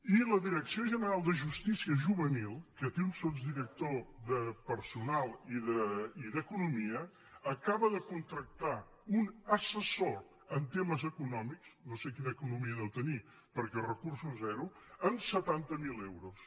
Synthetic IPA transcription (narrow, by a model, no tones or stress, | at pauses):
iləðiɾəksioʒənəɾalˠd̪əʒust̪isiəʒuβənilˠkət̪eunst̪ozd̪iɾək̚t̪oðəpəɾsunalˠiðəiðəkunumiə | əkaβəðəkunt̪ɾək̚t̪a | unəsəso | ənt̪eməzəkunɔmiksnosekinəːkunumiəðɛwt̪əni | pəɾkɛrəkursuzɛɾuənsət̪ant̪əmilewɾus